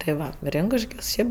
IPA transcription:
tɐɪ ˈʋɐ ˈrʲɪŋkʊʃʲkʲoːs ˈʃʲɛɪp

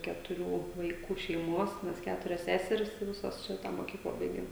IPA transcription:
kʲɛtʊˈrʲuː ʋɐɪˈkuː ʃʲɛɪˈmuɔs ˈmʲɛs ˈkʲæːtʊrʲɛs ˈsʲæːsʲɛrʲɪs ɪ ˈʋʲɪsoːs ˈʃʲɪtɑː moːˈkʲiːklˠɑː ˈbɐɪɡʲeːm

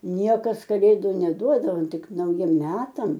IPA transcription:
ˈnʲiɛkɐs kɐˈlʲeːdʊ nʲɛˈduɔdɐʋoː ˈtʲɪk nɐʊˈjiɛm ˈmʲæːtɐm

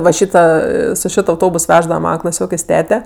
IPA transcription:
ʋɐ ˈʃʲiːtɐ ˈɐ sʊ ˈʃʲɪt ɐʊˈtoːbʊs ˈʋʲæːʒdɐʋɐ ˈmɑːnɐ klˠɐˈsʲoːkʲeːsʲ ˈtʲæːtʲɛ

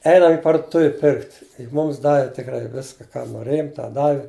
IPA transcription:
ˈɛɪnɐm ɪ pɐrdʊˈtʊʋʲɪ ˈpʲɪrkt ˈmʊms ˈdɑːʋʲɪ tʲɪkˈrɐɪ ˈʋʲɪskɐ ˈkɑː noːˈrʲeːjʊm ˈtɑː ˈdɑːʋʲɪ

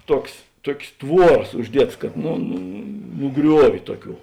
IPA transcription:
ˈtuɔks ˈtuɔkʲsʲ ˈtʋuɔrɐs ʊʒʲˈdʲiɛtɐs kɐt nʊ nʊ ˈɡrʲuɔʋʲʊ ˈtuɔˌkʲuː

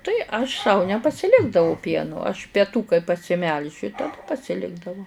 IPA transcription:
ˈtɐɪ ɐʃ sɐʊ nʲɛpɐsʲɪˈlʲɪɡdɐʋɐʊ ˈpʲiɛnʊ ɐʃ pʲɛˈtuː kɐɪ pɐsʲɪˈmʲɛlʲʒʲʊ tɐˈdɐ pɐsʲɪˈlʲɪɡdɐʋɐʊ

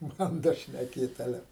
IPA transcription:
ˈbɐndɐ ʃʲnʲɛˈkʲeːt ɐˈlʲɛ

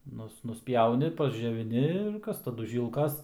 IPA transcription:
ˈnʊs nʊsʲˈpʲjɛʊnʲɪ pɐzʲd͡ʒʲoːʋʲɪˈnʲɪ ɪr ˈkɐs tɐˈdʊ ˈʒʲiːlˠkɐs

